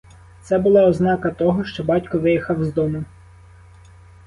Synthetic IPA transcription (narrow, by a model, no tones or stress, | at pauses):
t̪sɛbʊlˠɑɔznɑkɐt̪ɔɦɔʃt͡ʃɔbɑtʲkɔʋɪjixɐwzd̪ɔmʊ